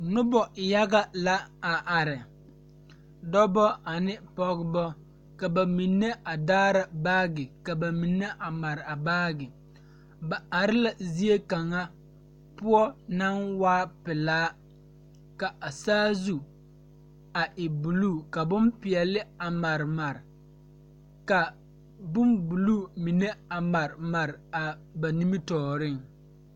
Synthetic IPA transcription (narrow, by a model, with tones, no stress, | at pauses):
nʊ˦bɔ˨ja˦ɡa˦la˦a˨ʔa˨ɾɪ˨ | dɔ˦bɔ˦a˨nɪ˦pɔ˦ɡbɔ˦ | ka˨ba˨mi˨nːe˦ʔa˨daː˦ɾa˨baː˦ɡɪ˨ka˨ba˨mi˨nːe˦ʔa˨ma˨ɾɪ˨a˨baː˦ɡɪ˨ | ba˨a˨ɾɪ˦la˨zi˦e˦ka˨ŋa˦ | pʊ˦ɔ˦na˦nwaː˦pɪ˨laː˦ | ka˨ʔa˨saː˦zu˨ | a˨ʔɪ˨bu˨luː˦˨ka˨bʊ˦mpɪ˨ɛ˨lɪ˦a˨ma˨ɾɪ˨ma˨ɾɪ˨ | ka˨ | bʊ˦mbu˨luː˦˨mi˨ne˦a˨ma˨ɾɪ˨ma˨ɾɪ˨a˨ba˨ni˦mi˦tɔː˨ɾɪ˦ŋ